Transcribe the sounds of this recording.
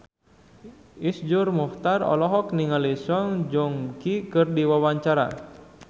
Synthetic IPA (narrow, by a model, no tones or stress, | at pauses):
isd͡ʒurmɔht̪arɔ̰lɔɦɔkniŋalisɔŋd͡ʒɔŋkikɨrdiwawaɲt͡ʃaɾa̰